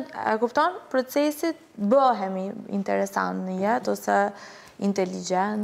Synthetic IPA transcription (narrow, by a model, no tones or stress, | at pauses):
ɛ̰kupt̪ɔnpɾɔt͡sɛsit̪bəɦɛmiḭnt̪ɛɾɛsa̰nt̪nəjɛt̪ɔsɛ | int̪ɛlid͡ʒɛn